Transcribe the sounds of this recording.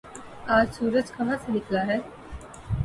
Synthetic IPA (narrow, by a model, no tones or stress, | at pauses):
aːd͡ʒsuːɾəd͡ʒkɐɦãsənɪkʰlaɦɛː